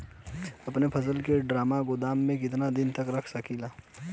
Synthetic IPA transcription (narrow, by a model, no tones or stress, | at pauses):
ɐpnepʰɐsəlkeɖɾaːmaɡʊd̪aːmːẽk̬ɪt̪nad̪ɪnt̪ɐkɾɐkʰsɐkilaː